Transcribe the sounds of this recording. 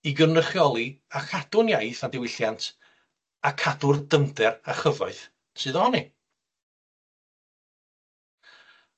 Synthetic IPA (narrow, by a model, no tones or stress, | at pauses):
iɡənəχjɔlˠiakʰad̥ʊnjajθadɪwɪɬjantʰ | akʰadʊrdəmdɛraχəvɔɨθ | sɨðɔni